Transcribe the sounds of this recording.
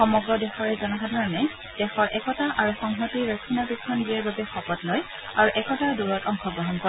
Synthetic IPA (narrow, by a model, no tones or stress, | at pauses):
xɔmɔɡɹɔdɛxɔɹɛzɔnaxadʱaɹɔnɛ | d̥ɛxɔɹʔɛkɔtaʔaɹuxɔŋɦɔtiɹɔkʰinapikʰːɔnɡiɛɹbabɛxɔpɔtlɔj | aɹuʔɛkɔtaɹduɹɔtɔŋxɔɡɹɔɦɔnkɔ